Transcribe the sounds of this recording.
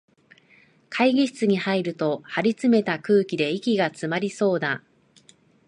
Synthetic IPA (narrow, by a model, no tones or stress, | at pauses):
kʰaiɡʲiɕi̥t͡sɨɲ̟ihaiɾɯ̟t̪o̞haɾʲit͡sɨme̞t̪akɯ̟ːkʲid̪e̞ikʲiɡat͡sɨmaɾʲiso̞ːd̪a